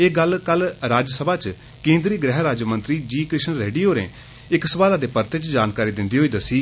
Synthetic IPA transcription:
eːɡəlkəlɾaːd͡ʒsəbaːt͡ʃ | kẽːnd̪ɾiːɡɾɛːɦɾaːd͡ʒjmə̃nt̪ɾiːd͡ʒiːkɾɪʃnɾeːɖiːjoːɾḛ̃ː | ɪksəʋaːlaːd̪eːpəɾt̪et͡ʃd͡ʒaːnkaːɾiːd̪ɪnd̪iːɦoiːd̪əsiː

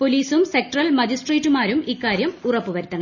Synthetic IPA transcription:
po̞liːsumse̞k̚ʈrɐlmɐd͡ʑisʈreːtːumaːɾumikːaːɾjɐmurɐpːɨʋɐɾut̪ːɐnɐ

